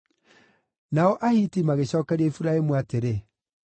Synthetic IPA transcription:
naɔʔahiːtimaɣeɕɔːkɛɾiaifuɾaemuateɾe

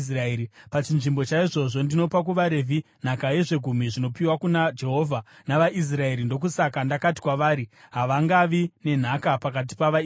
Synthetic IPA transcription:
sraɾipat͡ʃinʐimbo̞t͡ʃaiʐo̞ʐo̞ndino̞pak̬uʋaɾe̞vʱi | n̤akaje̞ʐe̞ɡʱum̤iʐino̞piwakunad͡ʒe̞ɦo̞vʱa | naʋaʔis̬rae̞ɾindo̞k̬usakandakati̥kwaʋaːɾiɦaʋaŋɡaʋine̞n̤akapakat̬i̥paʋa

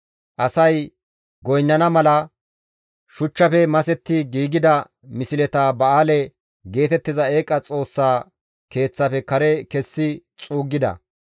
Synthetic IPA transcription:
ʔɐsɐj | ɡɔjnːɐnɐmɐlɐ | ʃʊt͡ʃːɐfɛmɐsɛt̪ːɪɡiːɡɪd̪ɐ | mɪsɪlɛt̪aːbɐaːlɛ | ɡe̞ːt̪ɛt̪ːɪzɐeːkʼːɐt͡sʼo̞ːsːaː | ke̞ːt͡sːafɛkɐɾɛkɛsːɪt͡sʼuːɡːɪd̪ɐ̰

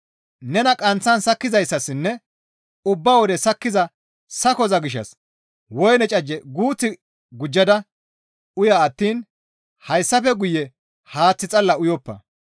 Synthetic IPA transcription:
nɛnɐkʼɐnt͡sːɐnsɐkːɪzɐjsːɐsɪnːɛ | ʊbːɐwɔd̪ɛsɐkːɪzɐ | sɐkɔzɐɡɪʃ̬ːɐ̰s | wɔjnɛt͡ʃʼɐd͡ʒːɛɡuːt͡sːɪ | ɡʊd͡ʒːɐd̪ɐ | ʊjaːt̪ːiːn | hɐjsːɐfɛɡʊjɛ | haːt͡sːɪt͡sʼɐlːɐʊjɔpːɐ̰

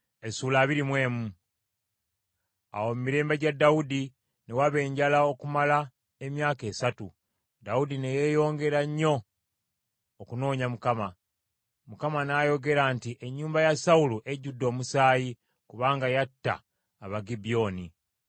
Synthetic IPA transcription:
esuːlaːβiɾimwe̞ːmu | a̰wo̞mumiɾe̞ːmbaɟadːaudi | newaβe̞ːɲɟalao̞kumala | emjaːke̞ːsatu | daudine̞je̞ːjo̞ːŋɡe̞ɾaɲːo̞ | kuno̞ːɲamukama | mukamanaːjo̞ɡe̞ɾantiʔe̞ɲːuːmbajasauluʔe̞ɟudːo̞ːmusaːji | kuβaːŋɡajatːa̰ː | βaɡibijo̞ːni

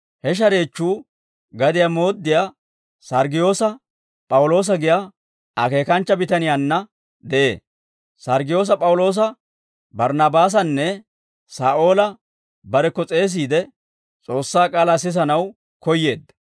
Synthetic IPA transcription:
hɛʃ̬ɐɾe̞ːt͡ʃːuː | ɡɐd̪ɪjaːmo̞ːd̪ːɪjaː | sɐɾɡɪjo̞ːsɐ | pʼɐwlo̞ːs̬ɐɡɪjaː | ɐke̞ːkɐnt͡ʃːɐbɪt̪ɐnɪjaːnːɐ | d̪ɛʔḛː | sɐɾɡɪjo̞ːs̬ɐpʼɐwʊlo̞ːs̬ɐ | bɐɾnɐbaːs̬ɐnːɛ | saːʔoːlɐ | bɐɾɛkːɔt͡sʼe̞ːs̬iːd̪ɛ | t͡sʼo̞ːsːaːkʼaːlaːsɪs̬ɐnɐw | kɔjːe̞ːd̪

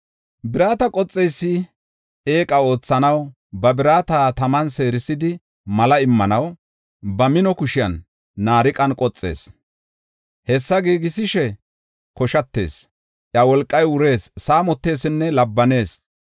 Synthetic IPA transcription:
bɪɾaːt̪ɐkʼɔt͡sʼːɛjsːɪ | e̞ːkʼɐo̞ːt͡sːɐnɐw | bɐbɪɾaːt̪aːt̪ɐmɐnse̞ːɾɪsɪd̪ɪ | mɐlɐɪmːɐnɐw | bɐmɪnɔkʊʃɪjɐ̰nː | aːɾɪkʼɐnkʼɔt͡sʼːe̞̰ːs | hɛsːɐɡiːɡɪsɪʃɛ | kɔʃɐt̪ːe̞̰ːs | ʔjɐwɔlkʼːɐjʊɾe̞ːssaːmɔt̪ːe̞ːsɪnːɛlɐbːɐne̞ːs

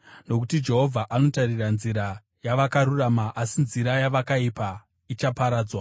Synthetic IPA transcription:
no̞k̬utid͡ʒe̞ɦo̞vʱaʔano̞tariranziɾa | jaʋakaɾuramaʔasinziɾajaʋakaipa | it͡ʃapaɾaːd͡zwa

